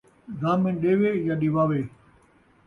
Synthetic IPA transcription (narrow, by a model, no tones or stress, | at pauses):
ɡaːmẽːɗeːʋeːjaːɗiʋaːʋeː